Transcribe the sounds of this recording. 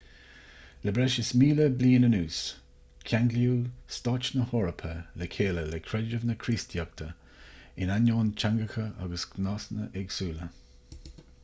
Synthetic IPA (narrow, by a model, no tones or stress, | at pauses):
ləbɾɛʃɪsmiːləbliːnənuːs | kʲʰaŋɡljuːst̪ɑt͡ʃnəhɔːɹəpʰəlɛkʰeːləlɛkʰɾɛd͡ʒəvnəkʰɾiːstʰjɔk̚t̪ʰə | ɪnanoːnt͡ʃʰaŋɡəxəʔa̰ɡəsɡnɑːsnə̰ʔɛɡsuːlə